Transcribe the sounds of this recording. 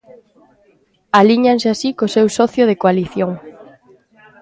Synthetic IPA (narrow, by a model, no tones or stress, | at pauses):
aliɲanseasikosewsɔθjoð̞ekoaliθjoŋ